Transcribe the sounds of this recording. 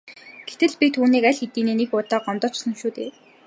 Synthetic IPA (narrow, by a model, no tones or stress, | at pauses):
ɡ̥et̪ɘ̆ɮpit̪ʰuːniːkæɮxet̪iːneːnixʊt̪ɔːɢɔmt̪ɞ̆t͡ɕʊ̥sə̆ŋʃuːt̪ḛː